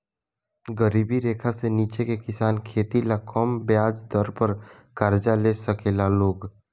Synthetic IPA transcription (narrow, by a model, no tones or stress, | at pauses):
ɡəɾiːbiɾeːkʰaseniːt͡ʃekekɪsaːnkʰeːt̪ilakʰɔːmbjaːd͡ʒd̪ɔɾpəɾ | kaɾd͡ʒaleːsəkeːlaloːɡ